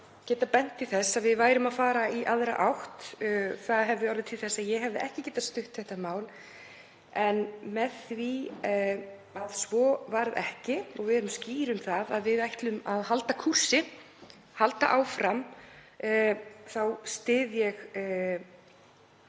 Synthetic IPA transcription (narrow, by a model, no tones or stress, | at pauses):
cɛːt̪apɛn̥t̪ɪθɛsːaðvɪðvaːjɾʏmaðfaːɾaiʔaðɾa̰ʔawht̪ːθaðɦɛvðɪɔɾvɪt̪ʰɪlθɛsːaðjɛɦɛvðɪʔɛhcɪcɛːt̪ast̪ʏht̪θɛht̪amaːwl | ɛnmɛðθvi | aðsvɔvaɾðɛ̰hcɪɔɣvɪðɛɾʏmsciːɾʏmθaðaðvɪðajht̪lʏmaðhalt̪akʰur̥sɪ | halt̪a̰ʔaːwfɾamː | θawst̪ɪːðjɛɣ